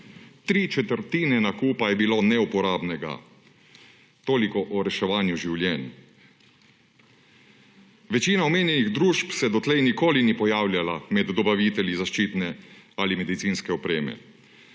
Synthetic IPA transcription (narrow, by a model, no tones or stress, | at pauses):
t̪ɾiːt͡ʃɛt̪əɾt̪iːnɛnakuːpajɛbiloːnɛupɔɾaːbnɛɡa̰ | t̪oːlikɔʔɔɾɛʃɛʋaːnjuʒiwlʲjɛn | ʋɛt͡ʃiːnaɔmeːnjɛniɣd̪ɾuːʃpsɛd̪ɔt̪lɛjnikoːlinipɔjaːwljalamɛd̪ːɔbaʋiːt̪ɛljizaʃt͡ʃiːt̪nɛalimɛd̪it̪siːnskɛɔpɾeːmɛ̰